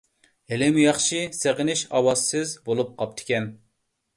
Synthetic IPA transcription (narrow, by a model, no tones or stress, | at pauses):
helɪmujɑχʃiseʁɪnɪʃɑwɑzsɨzbolˠup̚qʰɑp̚t̪ʰɪ̥kʲɛn